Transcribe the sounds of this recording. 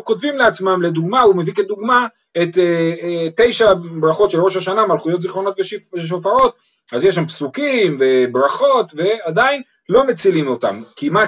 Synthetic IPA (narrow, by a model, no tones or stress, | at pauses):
ko̞tvimleat͡smamle̞d̪uɡmaume̞viket̚d̪uɡma | et̪ete̞jʃabʁaχo̞t̪ʃelʁo̞ʃaʃanamalχujo̞t̪̬ziχʁo̞no̞t̪beeʃ̬ofao̞t̪ | azjeʃ̬ampsukimve̞bʁaχo̞t̪ve̞ad̪ain | lo̞met͡silimo̞t̪a̰mkima